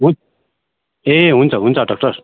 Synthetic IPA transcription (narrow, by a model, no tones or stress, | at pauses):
ɦun | eɦunt͡sʰʌɦunt͡sʰʌɖɔk̚ʈʌɾ